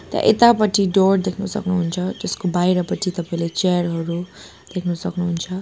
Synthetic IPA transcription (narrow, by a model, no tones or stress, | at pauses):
t̪ja̰ʔet̪apʌtʰiɖoɾd̪ekʰnusʌ̰knuɦunt͡sʰʌd͡zʌskobajɾʌpʌt̪ʰit̪ʌpaĩlet͡ʃejʌɾɦʌɾu | d̪̥ekʰnusʌknuɦunt͡sʰʌ